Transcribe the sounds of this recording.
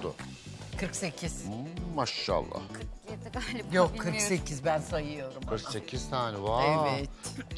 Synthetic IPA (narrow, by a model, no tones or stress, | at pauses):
d̪ʊkʰɯɾkse̞cʰiz̥maʃːa̰lˠːa̰h | jokʰːɯɾkse̞cʰizbænsajɯjo̞ɾumkʰɯɾkse̞cʰizt̪ʰaːnɛvaevɛt